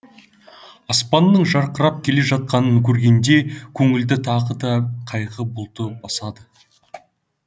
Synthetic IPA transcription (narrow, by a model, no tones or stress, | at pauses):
ɑspɑnːəɴʒɑɾqəɾɑp̚kʲʰe̞le̞ʒɑt̪̚qɑnəŋkʲʰɵɾɡʲe̞nd̪e̞kʲʰɵŋɪld̪ɪt̪ʰɑʁəd̪ɑqʰɑjqəbʊlˠt̪əbɑsɑd̪ə